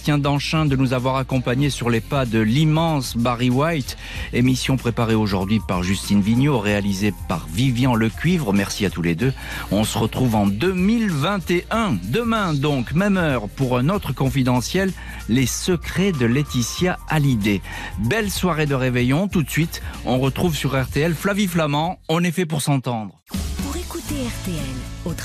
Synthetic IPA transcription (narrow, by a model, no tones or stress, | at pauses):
t̪jɛ̃d̪ɑ̃ʃɛ̃d̪ənuzavwaʁakɔ̃paɲesyʁlepad̪əlimɑ̃sbaʁiwajt̪ | emisjɔ̃pχepaʁeoʒuʁd̪ɥipaʁʒyst̪inviɲjoʁealizepa̰ʁvivjɑ̃ləkʲɥivʁəmɛʁsiat̪uled̪ø | ɔ̃səʁət̪χuvɑ̃d̪ømilvɛ̃t̪eʔɛ̃d̪əmɛ̃d̪ɔ̃kmɛmœʁpuʁɛ̃not̪χəkɔ̃fid̪ɑ̃sjɛlː | esəkχed̪əlet̪isjaʔalid̪e | bɛlswaʁed̪əʁevɛjɔ̃t̪ut̪sɥit̪ɔ̰̃ʁət̪χuvsyʁɛʁt̪eɛlflaviflamɑ̃ɔ̃nɛfɛp̬uʁsɑ̃t̪ɑ̃d̪ʁ | puʁekut̪eɛʁt̪eɛlo